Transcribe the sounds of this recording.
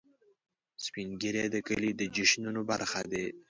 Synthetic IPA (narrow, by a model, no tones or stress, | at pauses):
spinɡiɾed̪əkəlid̪əd͡ʒɪʃnunoba̰ɾxad̪e